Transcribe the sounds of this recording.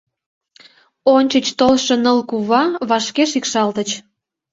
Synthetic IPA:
onʲt͡ɕət͡ɕt̪olʃenəlkuβɑβɑʃkeʃikʃɑlt̪ət͡ɕ

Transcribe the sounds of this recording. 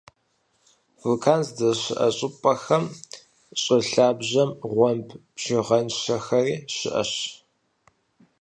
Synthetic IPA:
vɨlkʰaːnzdɐɕɪʔɐ̰ɕʼɪpʼɐxɐm | ɕʼɪɬaːbʑɐmʁʷɔmpʰbʒ̥ɪʁɐnʃɐxɐriːɕɪ̰ʔɐ̰ɕ

